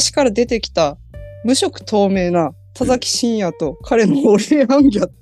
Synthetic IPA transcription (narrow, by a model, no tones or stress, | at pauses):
ɕi̥kaɾad̪e̞t̪e̞kʲi̥t̪amɯ̟ɕo̞kɯ̟̥t̪ʰo̞ːme̞ːna | t̪azakʲi̥ɕĩɰ̃jat̪o̞kʰaɾe̞no̞ːɾeãŋɡʲa